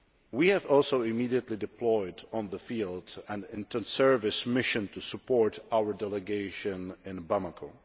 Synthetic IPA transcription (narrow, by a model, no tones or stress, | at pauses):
wihɨvɔlˠsoʊɪmidiətˡlidɨpʰlɔɪdɔ̃n̩ðəfilˠdæ̃nɪ̃ntʰə̃nsɜ˞vɪsmɪʃɨ̃ntʰusəpʰɔɹtaʊə˞dɛlˠəɡeɪʃɨ̃nɪ̃nbamakʰoʊ